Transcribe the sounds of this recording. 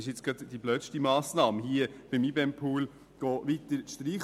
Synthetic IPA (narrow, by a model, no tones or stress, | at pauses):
ɪʃɪt͡sɡ̥ɑdd̥iblœːtʃtimaːsnɑːmhiəb̥ɪmibɛmpʰuːl | ɡ̥ɔːʋit̪əɾʃtriːχ